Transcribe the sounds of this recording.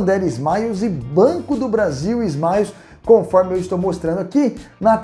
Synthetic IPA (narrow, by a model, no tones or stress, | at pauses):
d̪ɛɾizmajʊzɪbɐ̃kʊd̪ʊbɾaziwizmajʊs | kõfɔɾmɪewist̪owmost̪ɾɐ̃nd̪ʊakinɐt̪